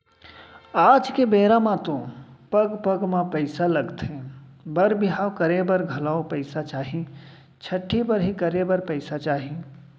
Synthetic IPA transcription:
aːd͡ʒkebeːɾamãt̪õpəɡpəɡmãpəɪsaləɡt̪ebəɾbɪɦawkəɾebəɾɡʱɐlaopəɪsat͡ʃaːɦi | t͡ʃʰəʈʰːipəɾɦikəɾebəɾpəɪsat͡ʃaːɦi

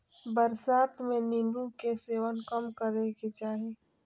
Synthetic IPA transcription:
bəɾsaːt̪mẽnĩmbukeseːʋənkəmkəɾeket͡ʃaːɦe

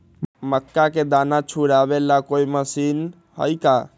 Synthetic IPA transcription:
məkːaked̪anat͡ʃʰuɽabelakoiməsin | hə̰jka

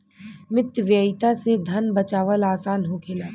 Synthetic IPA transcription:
mɪt̪ʋjəɪt̪ased̪ʱɐnbɐt͡ʃaːʋəlaːsaːnɦokʰeːlaː

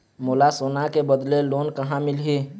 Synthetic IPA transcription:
molasoːnakebəd̪leloːnkəɦãmɪlɦi

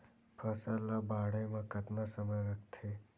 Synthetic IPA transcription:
pʰəsalabaɽəjmãkət̪nasəməjɾəkt̪ʰe

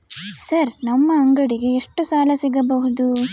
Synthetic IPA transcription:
sɐɾnɐmːɐːŋɡɐɽiɡe̞ːʂʈusaːlɐsiɡɐbɐɦud̪u

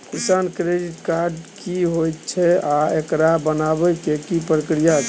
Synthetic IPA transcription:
kisankɾediʈkaɾɖkiɦojt̪t͡ʃʰɛaekɾabənabɛkekipɾəkɾija

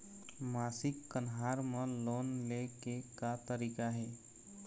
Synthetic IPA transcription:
masɪkːənɦaɾmə̃lonlekekat̪əɾikaɦe

